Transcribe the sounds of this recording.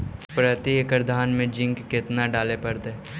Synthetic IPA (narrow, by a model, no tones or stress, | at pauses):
pɾət̪iekəɾd̪ʱaːnmẽd͡ʒɪ̃ŋɡkɪt̪naɖaːlepɐɾd̪eː